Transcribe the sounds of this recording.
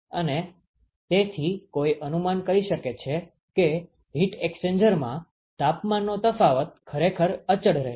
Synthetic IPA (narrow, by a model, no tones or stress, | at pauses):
əne | t̪et̪ʰikojʔənumankəɾiʃəket͡ʃʰe | ke | ɦiʈeksend͡ʒəɾmã̰ | t̪apmanːot̪əfaʋət̪̚kʰəɾekʰəɾət͡ʃəɽɾḛ